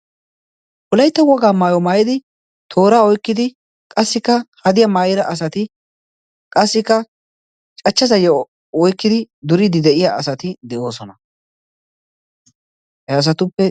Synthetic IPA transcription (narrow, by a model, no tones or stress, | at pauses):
pʊlɐjt̪ːɐwɔɡaːmaːjɔmaːjɪd̪ɪ | t̪ʰo̞ːɾaːɔjkːɪd̪ɪ | kʼɐsːɪkːɐhɐd̪ɪjɐmaːjɪɾɐʔɐs̬ɐt̪ɪ | kʼɐsːɪkːɐ | t͡ʃʼɐt͡ʃːɐzɐjɛ | ɔjkːɪd̪ɪd̪ʊɾɪd̪ɪd̪ɛʔɪjaɐsɐt̪ɪd̪ɛʔo̞ːsɔnɐ | hɛɐs̬ɐt̪ʊpːɛ